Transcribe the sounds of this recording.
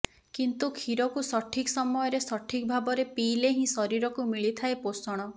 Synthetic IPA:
kint̪ukʰiɾɔkusɔʈʰiksɔmɔjɔɾesɔʈʰik̚bʱabɔɾepileɦĩsɔɾiɾɔkumiɭit̪ʰaeposɔɽ̃ɔ

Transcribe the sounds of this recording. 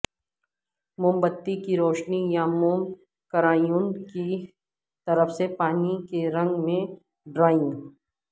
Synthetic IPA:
mʊ̃mbət̪ːikiɾoːʃnijamuːm | kəɾaːjũnki | t̪ɐɾəfsepaːnikeɾɐ̃ŋɡmẽ | ɖɾaːɪ̃

